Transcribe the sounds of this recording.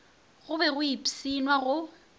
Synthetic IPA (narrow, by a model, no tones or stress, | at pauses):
ɣʊbɛɣʊipʼi̥sinwaɣʊ